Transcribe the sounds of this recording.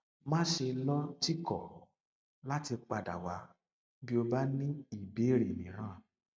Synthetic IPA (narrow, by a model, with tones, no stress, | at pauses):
mãː˦ʃe˧lɔ̃˦ti˦kɔ˦˨ | la˦ti˧k͡pa˨da̰˨wa˨˦ | bi˦o˧ba˦nĩ˦i˨be˨˦ɾe˨mĩ˨˦ɾ̃ãː˦˨